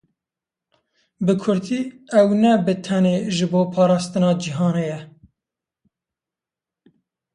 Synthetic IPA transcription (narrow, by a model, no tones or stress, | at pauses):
bɨkʰʊɾd̪iːɛwnɛbɨt̪ʰɛneːʒɨboːpʰɑːɾɑːst̪ɨnɑːd͡ʒiɦɑːnejɛ